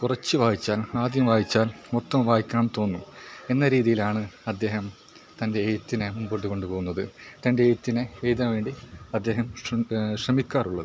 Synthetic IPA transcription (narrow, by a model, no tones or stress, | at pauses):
kurɐt͡ɕːɨʋaːjit͡ɕːaːlaːd̪jɐmʋaːjit͡ɕːaːlmot̪ːɐmʋaːjikʲːaːmt̪o̞ːnːue̞nːɐɾiːðijilaːɳɨɐd̪ːe̞ːɦɐm | t̪ɐnde̞ːjut̪ːinɨmumboʈːuko̞ɳɖupo̞ːɣunːɐðɨt̪ɐnde̞ːjt̪ːinɨʋejt̪ɐːmʋe̞ːɳɖiɐd̪ːe̞ːɦɐmɕrɐmikʲːaːruɭːɐðɨ